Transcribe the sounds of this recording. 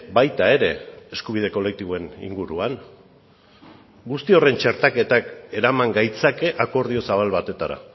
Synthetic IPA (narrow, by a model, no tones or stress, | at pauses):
bajt̪ae̞ɾe̞eskuβ̞ið̞e̞ko̞le̞k̚t̪iβoe̞nḭŋɡuɾuaŋ | ɡust̪io̞re̞nt͡ʃe̞ɾt̪ake̞t̪ake̞ɾamaŋɡajt͡sake̞ʔako̞ɾð̞io̞saβ̞alβat̪e̞t̪aɾa̰